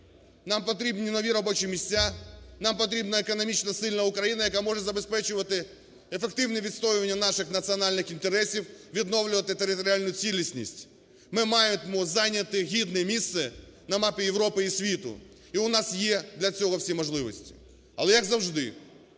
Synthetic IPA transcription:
nampɐt̪̬ɾʲibnʲɪnɔʋʲiɾɐbot͡ɕɪjmʲɪsʲtʲanampɐt̪ɾʲibnɐɛkɐnɐmʲit͡ɕnɐsɪlʲnɐʊkɾɐjinɐjɐkamɔʐɨt̪zɐbespɛt͡ɕɪʋɐt̪ɪ | ɛfɛkt̪ɪvnɨɪjʋʲɪt̪st̪ojɪʋɐnʲːjɐnaʂɨxnɐt̪sɨɐnalʲnɨxɪnt̪eɾɛsʲifvʲɪd̪novlʲɪʋɐt̪ɪt̪eɾɪt̪ɔɾʲɪalʲnʊjʊt͡sʲilʲɪsʲnʲisʲtʲ | mɪmajɪt̪mʊzanʲɐt̪ɪɣʲid̪nɨjmʲisːɨ | nɐmapʲɪjɪʋɾopɨisʲʋʲit̪ʊ̰ | iʊnasjed̪lʲɐt͡sʲoɣɐfsʲijmɐʐlˠɪʋɐsʲtʲɪ̥ | ɐ̰lˠɛjɐɡzɐwʐd̪ɪ

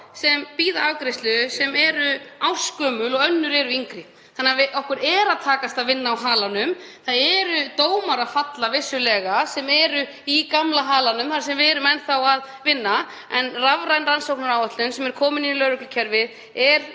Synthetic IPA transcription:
sɛmpiːðaavkɾɪst̪lʏsɛmɛɾʏawskœːmʏlɔɣœnːʏɾɛɾʏiŋkɾɪ | θanːavɪʔɔhkʏɾɛɾaðt̪ʰaːkast̪aðvɪnːaːwɦaːlanʏmθaðɛɾʏt̪oːwmaɾafat̪lavɪsːʏlɛːɣasɛmɛɾʏ | ikamlaɦaːlanʏmθaɾ̥sɛmvɪɛɾʏmɛnθawað | vɪnːa | ɛnravɾajnransowknaɾawœt̪lʏnsɛmɛɾkʰɔːmɪninilœɾʏklʏcʰɛɾvɪð | ɛɾ̥

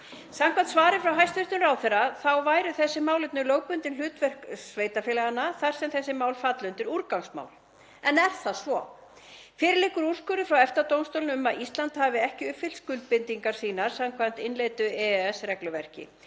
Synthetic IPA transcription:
samkʰvan̥t̪svaːɾɪfɾawɦajst̪ʏst̪ʏmraːwθɛraθawvaːjɾʏθɛsːɪmaːwlɪt̪nʏlowk̚pʏnt̪ɪnl̥ʏːt̪vɛr̥ksveːjt̪afɪːlɛɣanːaθaɾ̥sɛmθɛsːɪmaːwlfat̪lʏnt̪ɪɾuɾkawŋsma̰ːwl | ɛnɛɾ̥θaðsvɔ | fɪːɾɪlɪkʏɾur̥skʏɾʏfɾawɛft̪at̪owmst̪owlnʏmaðist̪lant̪haːvɪɛhcɪʏpfɪlskʏlt̪̚pɪnt̪iŋkaɾ̥siːnaɾ̥samkʰvan̥t̪ɪnlejt̪ʏɛɛsɾɛklʏvɛr̥cɪ̰

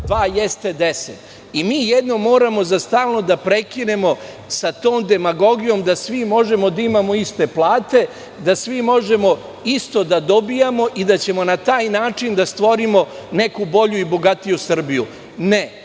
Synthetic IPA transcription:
d̪ʋaːjest̪e̞d̪eset̪ | imiːjed̪no̞mo̞ːɾamo̞zast̪aːlˠno̞d̪apɾe̞kine̞mo̞ | sat̪oːmd̪e̞maɡo̞ɡijo̞md̪asʋimo̞ʒemo̞d̪aimamo̞ist̪e̞plˠaːt̪e̞ | d̪asʋimo̞ʒe̞mo̞ | ist̪o̞d̪ad̪o̞bijamo̞ʔid̪at͡ɕe̞mo̞nat̪aːjnaːt͡ʂind̪ast̪ʋo̞ɾimo̞ne̞kubo̞ʎuibo̞ɡat̪ijusr̩biju | ne

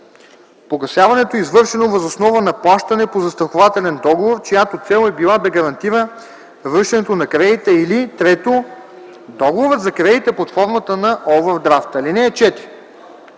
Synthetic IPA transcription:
poɡɐsʲjavɐnɛt̪oizvɤɾʃɛnovɐzosnɔvənɐplˠaʃt̪ɐnɛpozɐst̪ɾɐxovat̪ɛlɛnd̪ɔɡovoɾt͡ʃojat̪ot̪sɛlˠɛbilˠab̪ɛɡɐɾɐnt̪iɾə | vɾɤʃɛnɛt̪onɐkɾɛit̪ɛilit̪ɾɛt̪o | d̪ɔɡovoɾəd̪zɐkɾɛit̪ɛpɐt̪fɔɾmət̪ənɐʔɔvəɾd̪ɾaft̪ɐlinɛːt͡ʃɛt̪iɾ

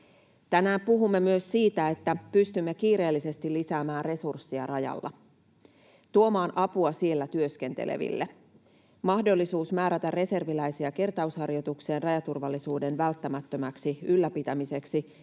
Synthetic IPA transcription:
t̪ænæːmpuɦumːe̞myø̞ssiːt̪æe̞t̪ːæpyst̪ymːekiːɾe̞ːlːise̞st̪ilːisæːmæːnre̞sursːiɑrɑjɑ̰lːɑ̰ | t̪uo̞mɑːnʔɑpuɑsie̞lːæt̪yø̞ske̞nt̪ḛlʔḛʋḭlːe | mɑhdo̞lːisuːsmæːɾæt̪ærre̞se̞rʋilæjsiæke̞rt̪ɑushɑrjo̞t̪ukse̞ːnrɑjɑt̪urʋɑlːisuːdenʋælt̪ːæmæt̪ːømæksiylːæpit̪æmise̞ksi

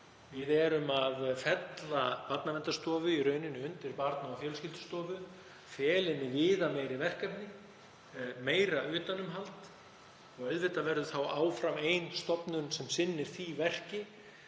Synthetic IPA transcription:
vɪðɛɾʏmaðfɛt̪lapat̪navɛnt̪ast̪ɔːvʏirœːɥnɪnːɪʏnt̪ɪɾpaɾt̪naafjɛːlscɪlt̪ʏ̥st̪ɔːvʏ | fjɛːlɪmɪvɪːðameːjɾivɛr̥kɛpnɪ | meːjɾaʏːt̪anːʏmɦalt̪ | ɔɣœðvɪht̪avɛɾðʏθawʔaːwfɾamejnst̪ɔpnʏnsɛmsɪnːɪɾ̥θivɛr̥cɪ

